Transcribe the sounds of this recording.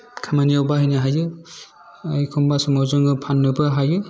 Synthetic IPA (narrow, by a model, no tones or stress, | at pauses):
kʰamanijawbaɦɯjnɯɦajɯ | ajkʰɔmbasumawzɯŋɯpʰanːɯbɯɦajɯ